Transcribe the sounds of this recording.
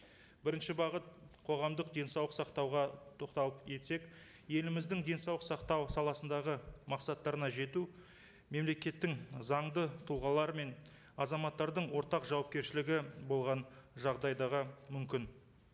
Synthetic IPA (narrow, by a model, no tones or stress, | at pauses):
bɪɾɪnʃɪbɑʁət̪̚qʰo̞ʁɑmd̪əq̚d̪e̞nsɑwlˠəqsɑqt̪ɑwʁɑt̪ʰo̞qt̪ɑlˠəpje̞t̪se̞k | je̞lɪmɪzd̪ɪŋd̪e̞nsɑwləqsɑqt̪ɑwsɑlˠɑsənd̪ɑʁəmɑqsɑt̪ːɑɾənɑʒe̞t̪u | me̞mle̞kʲe̞t̪ːɪŋzɑɴd̪ət̪ʰʊlˠʁɑlˠɑɾəme̞n | ɑzɑmɑt̪ːɑɾd̪əɴwo̞ɾt̪ɑqʒɑwɑp̚kʲe̞ɾʃɪlɪɡʲɪbo̞lˠʁɑnʒɑʁd̪ɑjd̪ɑʁəmʏmkʲɪn